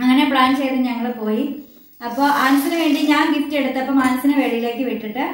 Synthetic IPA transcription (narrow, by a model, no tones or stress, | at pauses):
ɐŋːɐne̞bɭaːnɖɨt͡ɕejt̪ːɨɲɐŋːɐɭpo̞ːji | ɐpːo̞ːʔaːnɐsinɨʋe̞ːɳɖiɲaːnɡiftːie̞ɽut̪ːɐpːɐːmaːnɐsinɨʋeːɭijile̞ːkːɨʋiʈːiʈːɨ